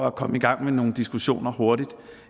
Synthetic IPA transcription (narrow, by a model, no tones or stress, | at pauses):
ækʰɒ̽məiɡ̥ɑ̈ŋ̰meno̝ːn̩d̥isɡ̥uɕo̝̰ːnɐho̝ɐɾ̥id̥